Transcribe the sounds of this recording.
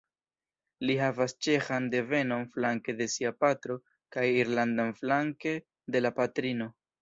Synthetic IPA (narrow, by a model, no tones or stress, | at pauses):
liɦavast͡ʃe̞xande̞ve̞no̞nflaŋke̞de̞siapatɾo̞ | kajiɾlandanflaŋke̞ | de̞lapatɾino̞